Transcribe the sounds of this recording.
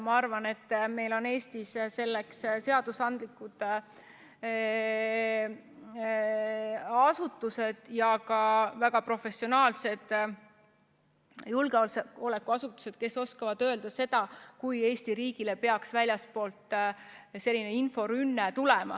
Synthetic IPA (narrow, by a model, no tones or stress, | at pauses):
mɑɑrvɑne̞t̪ːme̞jlo̞ne̞ːsʲt̪isse̞lːeksse̞ɑd̪̥usɑnd̪likːˑud̪̥ | ɑsut̪ːˑuse̞d̪̥jɑkɑvæɡ̥ɑpro̞fe̞sio̞nɑːlse̞d̪̥ | julɡeolseo̞le̞kːuɑsut̪ːˑu̥se̞d̪̥ke̞so̞skɑvɑd̪̥ø̞ːld̪̥ɑse̞d̪̥ɑkuje̞ːst̪iɾiːɡ̥ile̞pe̞ɑksvælʲjɑspo̞ːlt̪ˑ | se̞lʲːine̞info̞ɾynːet̪ulemɑ̰